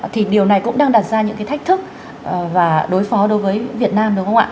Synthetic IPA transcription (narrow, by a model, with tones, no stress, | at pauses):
t̪ʰi˨˩ɗi˨˩əwna˨˩jkʊ̰˧˥ŋ͡mɗaː˧ŋɗaː˨˩t̚zaː˧ɲɨ̰˧˥ŋkaː˨˦jt̪a˦˥k̚t̪ʰɨ˦˥k̚ː | vaː˨˩ɗo˨˦jfɔ˨˦ɗo˨˦jvəː˨˦jvi˨˩ət̚naː˧mɗɨ˨˦ŋ͡mhə˧wŋ͡mʔa̰ː˧˨˩